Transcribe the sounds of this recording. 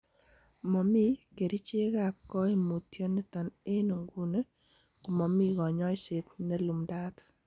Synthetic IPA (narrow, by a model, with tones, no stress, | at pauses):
mɔ˨mi˦ke˨ɾi˦t͡ʃe˦ɣakːɔ˦i˦mo˨tjɔ˦nɪ˦tɔ˨ne˦nu˨ŋɡu˦ne˦ | ku˨mɔ˨mi˦ɡɔ˨ɲɔ˦jse˨t̪ne˦lu˨mda˦t̪